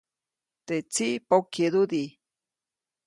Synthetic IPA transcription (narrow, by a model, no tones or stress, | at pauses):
t̪et͡siʔpawked̪ud̪i